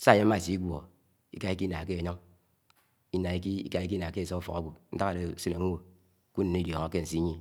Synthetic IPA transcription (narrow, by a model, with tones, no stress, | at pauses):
sa˦˨je˦m̩˦ma˦˨si˨˦i˦ɡʷo̰˨ | ḭ˦ka˨˦i˦ki˦na˨ke˦e˨ɲo˦ŋ | i˦na˨i˨˦ki˦ḭ˦ka˨i˦k̬i˦na˨ke˦e˨so˦u˦fo̰˨ka̰˨˦ɡʷu˨n̩˦ta˦ŋa˨de˨˦si˦ne˨ŋ̩˦wo˨ | ku˦ne˨i˦djo˨ŋa˨ke˦n̩˨si˦ɲi˦